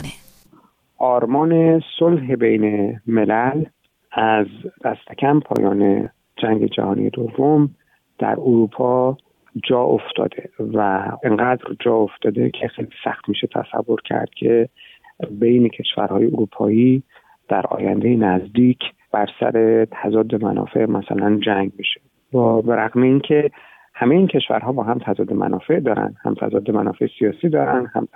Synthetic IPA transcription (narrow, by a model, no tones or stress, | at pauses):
ʔɒːɾmɒːnesolɦe̞bejneme̞læl | æzd̪̥æst̪ʰecʰæmpʰɒ̰ːjʔɒːnḛ | d͡ʒæŋɟe̞d͡ʒæ̰hɒːnḭje̞d̪o̞vːom | d̪̥æ̰ɾuɾuːpʰɒː | d͡ʒɒːʔoft̪ʰɒ̰ːd̪̥e̞væeŋɢæd̪ɾd͡ʒɒːo̞ft̪ɒːd̪ecʰexejlisæxt̪miːʃet̪ʰæ̰sæ̰vːo̞ɾcʰæ̰ɾd̪̥cʲʰe̞ | bejnecʰe̞ʃvæ̰ɾhɒːjeuɾuːpʰɒːiː | d̪̥æɾɒ̰ːjænd̪ejenæzd̪iːcʰ | b̥æɾsæ̰ɾe̞t̪ʰæzɒːd̪ːemænʔɒ̰ːfe̞ʔmʔæsælænd͡ʒæŋɡmiʃe | bɒːbeɾæɣmeiːncʰe̞ | hæmejincʰe̞ʃvæ̰ɾɦɒːbɒːɦæmt̪ʰæzɒːd̪ːemæ̰nʔɒːfe̞ʔd̪ɒːɾæ̰nd̪hæ̰mt̪ʰæ̰zɒːd̪ːemæ̰nɒːfe̞ʔesijɒːsiːd̪ɒːɾænd̪hæm